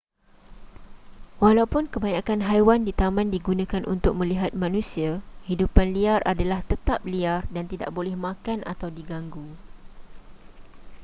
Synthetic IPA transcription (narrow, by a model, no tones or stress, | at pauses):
walawpʊnkəbaɲakanɦajwandit̪amãndiɡunãkanʔṵnt̪ʊk̚mə̃liɦat̪̚mãnũsiahidupanliarʔadalaht̪ət̪ap̚liardant̪ida̰ʔbolɛhmãkanʔa̰t̪awdiɡaŋɡu